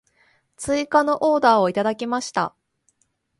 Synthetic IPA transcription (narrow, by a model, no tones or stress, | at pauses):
t͡sɨikano̞ʔo̞ːd̪aːo̞it̪ad̪akʲimaɕi̥t̪a̰